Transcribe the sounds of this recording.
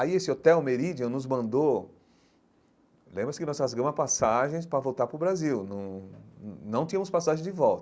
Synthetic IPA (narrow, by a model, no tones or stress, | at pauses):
aiesɪot̪ɛwmeɾid͡ʒiɐ̃nʊzmɐ̃nd̪o | lẽmbɾɐsɪkɪnɔsazɡɐ̃mɐpasaʒẽj̃spɾɐvowt̪aɾpɾʊbɾaziwnɐ̃w̃ | nɐ̃w̃t̪ĩɲɐ̃mʊspasaʒẽj̃d͡ʒɪvɔwt̪ɐ